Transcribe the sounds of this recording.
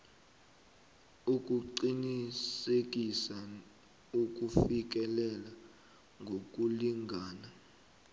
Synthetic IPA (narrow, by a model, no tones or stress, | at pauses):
uk̬ʼuǃinisek̬ʼisa | uk̬ʼufik̬ɛlɛla | ŋɡʱok̬ʼuliŋʱaːna